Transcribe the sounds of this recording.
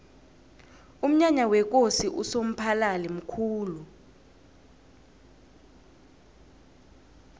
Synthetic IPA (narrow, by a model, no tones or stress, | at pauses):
um̩ɲaɲawɛk̬ʼosiʔusom̩pʰalalɛm̩kʰuːlu